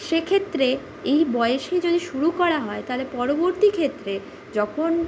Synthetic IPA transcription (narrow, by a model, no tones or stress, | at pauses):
ʃekʰet̪ːɾe | ejbɔeeʃed͡ʑod̪iʃuɾukɔɾaɦɔet̪aɦolepɔɾoboɾt̪ikʰet̪ːɾe | d͡ʑɔkʰon